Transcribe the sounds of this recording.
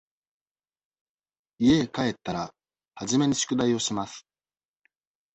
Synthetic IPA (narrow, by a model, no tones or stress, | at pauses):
ie̞kae̞t̪ːaɾa | haʑime̞ɲ̟iɕi̥kɯ̟d̪aio̞ɕimasɨ̥